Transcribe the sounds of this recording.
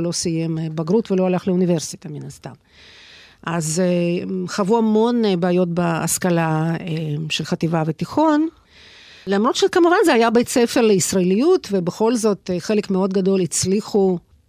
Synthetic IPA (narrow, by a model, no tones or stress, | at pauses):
lo̞sijembaɡɾutvelo̞alaχleunive̞ʁsit̪aminast̪am | ʔaz | χavuamo̞nbaːjo̞tbaa̰skalaeʃelχat̪ivavet̪iχo̞n | lamʁo̞t̪ʃekamuvanzeajabet͡sefeʁleisʁaelijut̪ve̞beχo̞lzo̞t̪χe̞lekmeo̞d̪ɡado̞lit͡sliχu